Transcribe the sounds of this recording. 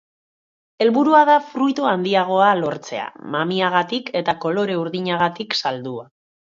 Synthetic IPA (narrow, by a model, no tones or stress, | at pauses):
e̞lβuɾuaðafɾujt̪uand̪iaɣ̞o̞alo̞ɾt͡se̞̰a̰mamiaɣ̞at̪ike̞t̪ako̞lo̞ɾe̞uɾðiɲaɣ̞at̪iksald̪ua